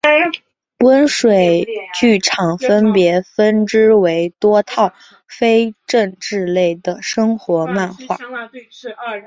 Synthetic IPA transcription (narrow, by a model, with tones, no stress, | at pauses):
pwə˥nʂwe˨˩ɪt͡ɕy˥˩ʈ͡ʂʰɑ˨˩ŋfə˥npjɛ˧˥fə˥nʈ͡ʂɻ̩˥we˧˥ɪt̪wɔ˥t̪ʰɑ˥˩ʊ | fe˥ɪʈ͡ʂə˥˧ŋʈ͡ʂɻ̩˥˧le˥˩ɪd̪ə˩ʂɤ˥ŋxwɔ˧˥ma˥˧nxwa̰˥˩